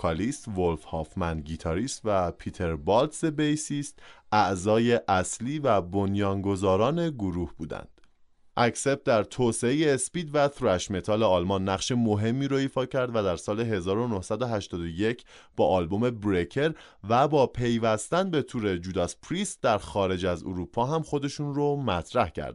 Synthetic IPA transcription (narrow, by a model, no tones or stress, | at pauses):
ɒlist̪volfhɒːfmænɟit̪ʰɒɾiːst̪væpʰit̪ʰe̞ɾbɒlt̪sebejsiːst̪ʔæʔzɒːje̞ʔæsliːvæbo̞njɒːŋɡo̞zɒːɾɒːne̞ɡoɾuːhbuːd̪æ̰nd̪̥ | ʔæcse̞p̚t̪̚d̪æɾt̪ʰoːse̞ejeːspiːd̪væt̪ɾæʃme̞t̪ʰɒːleɒːlmɒnːæʁʃe̞mo̞ɦe̞mːiːɾoifɒːcʰæɾd̪væd̪æɾsɒːle̞ɦe̞zɒːɾo̞nohsæd̪oɦæʃt̪ɒːd̪oje̞cʰ | b̥ɒːʔɒːlbo̞me̞bɾecʰe̞ɾ | væbɒːpʰe̞jvæst̪ænbe̞t̪ʰuːɾe̞d͡ʒuːd̪ɒspʰɾist̪d̪æɾxɒːɾe̞d͡ʒæzo̰ɾuːpʰɒːɦæmxo̞d̪e̞ʃuːnromæt̪ʰɾæhcʰæ̰ɾd̪̥̚